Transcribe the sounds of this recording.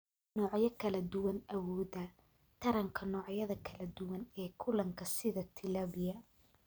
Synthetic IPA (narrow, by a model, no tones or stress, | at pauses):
nɔːʕjɐkʰɐlɐd̪ʊwɐnɐwɔːdɐ | t̪ʰɐɾɐŋkʰɐnɔːʕjɐðɐkʰɐlɐd̪ʊwɐnɛːkʰʊlɐŋkʰɐsɪðɐt̪ʰɪlɐːβɪjɐ